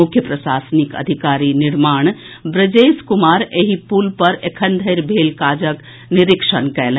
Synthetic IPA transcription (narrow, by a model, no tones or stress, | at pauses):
ukʰjəpɾəsasənikə̰d̪ʱikaɾiniɾmaɳ̃ | bɾəd͡ʒeskumaɾeɦipulpəɾekʰənd̪ʱəɾbʱelkad͡ʒək | niɾikʃənkɛl